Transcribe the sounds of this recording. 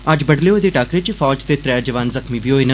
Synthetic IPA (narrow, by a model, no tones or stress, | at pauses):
ad͡ʒbɐɽleod̪eʈaːkɾet͡ʃifɔːd͡ʒt̪et̪ɾɛjad͡ʒɐʋaːnzɐxmibioːenɐ